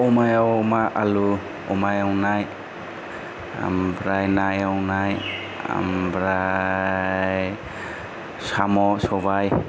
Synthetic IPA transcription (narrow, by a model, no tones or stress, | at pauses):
ɔmajawmaʔalu | ɔmajawnaj | a̰mbɾajnajawnaj | a̰mbɾa | j | samɔsɔbaj